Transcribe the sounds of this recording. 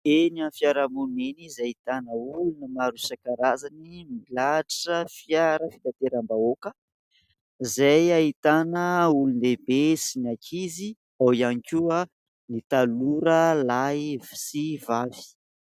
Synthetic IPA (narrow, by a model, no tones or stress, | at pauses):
enianfjaɾamunenizait̪anəulunəmaɾusakaɾazanimilaʈ͡ʂəfjaɾəfit̪at̪eɾambaokə | zajait̪anəulunebesinakʰizi | awianikʲuə | nit̪aluɾəlajvi̥sivavi̥